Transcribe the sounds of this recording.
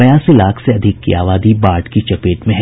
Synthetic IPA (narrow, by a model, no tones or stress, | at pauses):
ɐjaːsilaːkʰseɐd̪ʱɪkːḭaːʋaːd̪ibaːɾʈkit͡ʃɐpeːʈmẽɦɛ